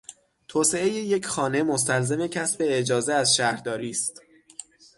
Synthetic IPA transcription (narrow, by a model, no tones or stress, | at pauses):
t̪ʰoːse̞eje̞jecʰxɒːne̞mos̬t̪ælze̞mecʰæsbe̞ed͡ʒɒːzeæzʃæhɾd̪ɒːɾiːst̪